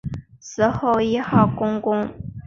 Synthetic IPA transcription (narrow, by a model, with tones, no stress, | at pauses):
sɹ̩˧˥xo˥˩ʊi˥xɑ˥˩ʊkʊ˥ŋkʊ˥ŋ